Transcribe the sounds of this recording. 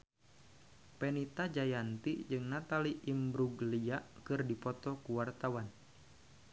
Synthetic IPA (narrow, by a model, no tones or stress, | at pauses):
pɛnit̪ad͡ʒajant̪id͡ʒɨŋnat̪aliʔimbɾuɡlijaʔkɨrdipɔt̪ɔkuwart̪awan